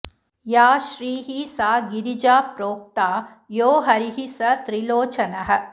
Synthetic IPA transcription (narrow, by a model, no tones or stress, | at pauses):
jaːʃɾiːɦisaːɡiɾid͡ʒaːpɾoːk̚t̪aː | joːɦɐɾiɦisɐt̪ɾiloːt͡ʃɐnɐɦɐ̆